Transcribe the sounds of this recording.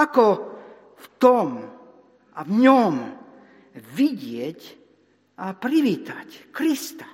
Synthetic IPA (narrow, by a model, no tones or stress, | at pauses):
akɔ | ft̪ɔm | avɲɔm | ʋiɟɪɛc | ʔapɾiʋiːt̪ackɾist̪ḁ